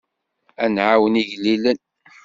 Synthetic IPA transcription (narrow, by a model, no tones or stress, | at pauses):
ænʕawəniʝlːilən